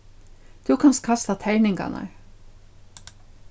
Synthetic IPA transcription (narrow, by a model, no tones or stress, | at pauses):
t̪ʰʉkʰanst̪̚kʰast̪at̪ʰɛɹnɪŋka̰na̰ɹ